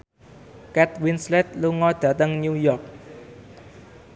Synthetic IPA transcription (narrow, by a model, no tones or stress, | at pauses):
kɛt̪̚winslɛt̪̚luŋɔjd̪ət̪əŋɲujɔk̚